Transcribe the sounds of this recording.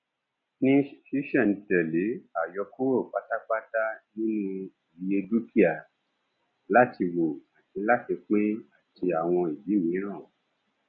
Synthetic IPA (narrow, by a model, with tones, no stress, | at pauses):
nĩ˦ʃi˦ʃɛ˦˨n̩˨tɛ˨le˨˦a˨jɔ˧ko˦wo˦˨k͡pa˦ta˦k͡pa˦ta˦nĩ˦nũ˦˨ | i˧e˧du˦ki˦a˦˨ | la˦ti˧wo˨a˨ti˧la˦ti˧k͡pe˦a˦˨ti˧a˨w̃ɔ̃˧i˨bi˨˦mĩ˨˦ɾ̃ã˦˨